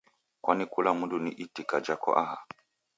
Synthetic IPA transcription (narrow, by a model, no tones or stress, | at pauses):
kwanikulamudunḭʔitikad͡ʒakɔ̰ʔaha